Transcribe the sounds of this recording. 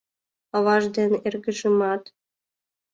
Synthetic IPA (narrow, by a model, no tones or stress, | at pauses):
ɤ̆βɑʒd̪enerɡɘ̆ʒɨ̆mɑt̪